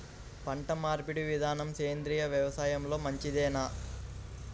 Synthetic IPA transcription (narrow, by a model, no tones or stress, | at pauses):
pɐɳʈɐmaːɾpiɽiʋid̪ʱaːnɐmseːnd̪ɾiːjɐʋjɐʋɐsaːjɐmlo̞ːmɐɲt͡ʃid̪ɛːnaː